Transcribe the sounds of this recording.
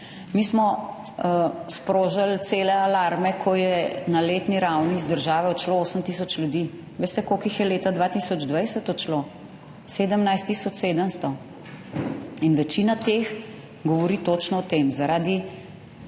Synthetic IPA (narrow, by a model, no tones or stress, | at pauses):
mismɔ | spɾoːʒalt̪seːlɛalaɾmɛkʰɔjɛnaleːt̪niɾawniːzd̪əɾʒaːʋɛɔt͡ʃlooːsəmt̪isɔt͡ʃljud̪i | ʋeːst̪ɛkokixjɛleːt̪ad̪ʋat̪isɔd͡ʒd̪ʋajsət̪ɔt͡ʃlo | sed̪əmnajst̪isɔt͡ʃseːd̪əmst̪ɔ | inʋɛt͡ʃinat̪ex | ɡɔʋɔɾiːt̪ot͡ʃnɔɔt̪emzaɾaːd̪i